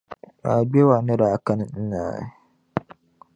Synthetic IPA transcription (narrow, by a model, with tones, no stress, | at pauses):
a˨ɡ͡be˦wa˨nɛ˦ɾa˨a˨ka˦n˦n̩˦na̰ː˨˦